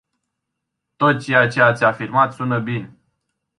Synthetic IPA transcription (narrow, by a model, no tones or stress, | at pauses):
t̪o̞t̪̚t͡ʃe̞jat͡ʃe̞at̪sʲafirmat̪sunəbin